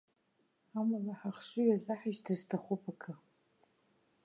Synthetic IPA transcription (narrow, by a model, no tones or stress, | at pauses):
amalaħaχʂɨɥazaħaʃtʰɨztʰaχʷupʰʼakʰa